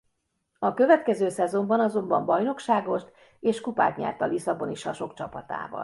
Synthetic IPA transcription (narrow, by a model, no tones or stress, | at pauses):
ɒkø̞vɛt̪kɛzøːsɛzo̞mbɒnɒzo̞mbɒmbɒjno̞kʃaːɡo̞ʃt̪ | eːʃkupa̰ːt̪ɲɛ̰rt̪ɒlisɒboniʃɒʃo̞kt͡ʃɒpɒt̪a̰ːvɒ̰l